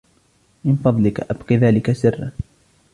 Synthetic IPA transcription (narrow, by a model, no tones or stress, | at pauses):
mɪnfɑðˤlɪkaʔabqiðaːlɪkasɪrːa̰n